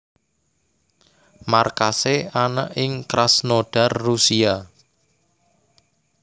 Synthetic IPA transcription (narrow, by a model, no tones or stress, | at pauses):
markaseanə̰ʔɪŋkɾasnoɖ̥a̤rːusia